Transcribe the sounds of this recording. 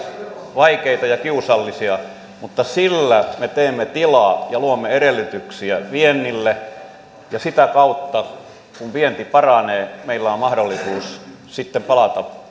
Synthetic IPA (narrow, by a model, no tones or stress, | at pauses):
ʋɑikeit̪ɑjɑkiusɑlːisiɑ | mut̪ːɑsilːæmet̪eːmːet̪ilɑːjɑluomːeeɾelːyt̪yksiæʋienːilːe | jɑsit̪ækɑut̪ːɑ | kumʋient̪ipɑrɑneːmeilːæommɑhdolːisuːs | sit̪ːempɑlɑt̪ɑ